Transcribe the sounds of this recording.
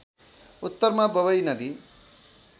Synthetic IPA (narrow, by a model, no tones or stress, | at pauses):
ut̪ːʌɾmabʌbʌjnʌd̪i